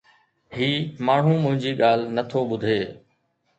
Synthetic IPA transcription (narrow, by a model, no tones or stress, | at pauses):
ɦiːmaːɳ̤ũːmʊ̃ɦɪ̃ɲd͡ʑiːɠaːl̤nət̪ʰoːɓʊd̪ʱeː